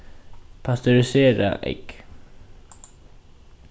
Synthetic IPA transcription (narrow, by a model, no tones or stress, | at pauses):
pʰast̪ʉɾɪseːɾa̰ʔɛ̰k